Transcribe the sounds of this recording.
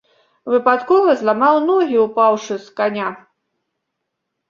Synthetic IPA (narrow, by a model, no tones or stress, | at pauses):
vɨpat̪kɔvɐzlˠamɑwnɔɣʲiupawʂɨskanʲa